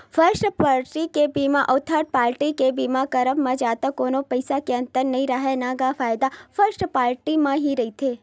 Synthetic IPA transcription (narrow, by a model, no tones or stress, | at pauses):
fəɾsʈpaɾʈikebimãʔəʋt̪ʰaɾʈ̪̚paːɾʈikebimãkəɾəpmãd͡ʒat̪akonopəjsakeə̃nt̪əɾnəɦĩɾəɦenaɡafaːjd̪afəɾsʈpaːɾʈimãɦiɾɐɦit̪ʰe